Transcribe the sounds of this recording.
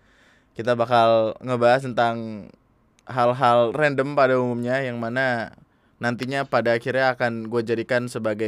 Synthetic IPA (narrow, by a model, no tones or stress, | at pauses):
kit̪abakalŋəbaɦast̪ənt̪aŋ | ɦalɦalrɛndəmpadaumumɲajaŋmana | nant̪iɲapadaːkirɲaːkanɡuad͡ʒadikansəbaɡa